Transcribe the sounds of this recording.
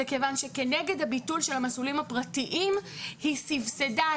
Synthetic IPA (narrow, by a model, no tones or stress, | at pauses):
ekevanʃe̞ke̞ne̞ɡe̞dhabitulʃe̞lhamasulimhapʁatiʔimhisivseda